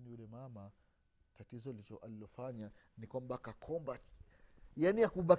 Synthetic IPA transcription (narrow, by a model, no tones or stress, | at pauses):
niulɛmama | tatizɔalit͡ʃɔʔalilɔfaɲanikwambakakʰɔmba | janiakuɓa